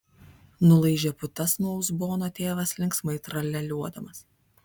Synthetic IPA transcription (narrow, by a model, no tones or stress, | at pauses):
nʊlˠɐɪʒʲepʊt̪ɐsnuɔʊzboːnoːt̪ʲeːʋɐslʲɪŋksmɐɪt̪ɾɐlʲɛlʲuɔd̪ɐmɐs